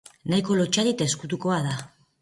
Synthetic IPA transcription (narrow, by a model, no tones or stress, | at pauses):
najko̞lot͡ʃaðit̪aeskut̪uko̞aða